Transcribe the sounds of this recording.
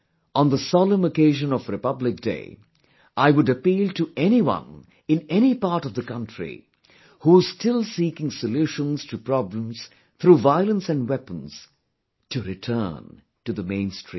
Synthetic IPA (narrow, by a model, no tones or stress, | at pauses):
ə̃nðəsɑlˠə̃məkeɪʒɨ̃nʌvɾɨpʌblɪk̚d̥ḛɪ | ʔaɪwʊɾɨpiːlˠtʰɨʔɛñiwʌ̰̃n | ɨ̃nɛñipaɾɾʌvðɨkʌ̃ntɹ̥ḭ | huz̥stɪlˠsikɪ̃ŋsəlʉʃə̃nz̥tʰɨpɹ̥ɑblə̃mz̥ | θɾuvaɪlˠə̃nsɨ̃ndwɛpə̃n̩z̥ | tʰɨɾɨtʰɜ̰˞n | tɨðəmẽɪ̃nstʰɹ̥ḭ̃